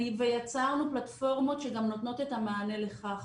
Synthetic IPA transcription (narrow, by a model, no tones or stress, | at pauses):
vejat͡saʁnuplat̪fo̞ʁmo̞tʃe̞ɡamno̞t̪no̞t̪e̞tamaːnele̞χaχ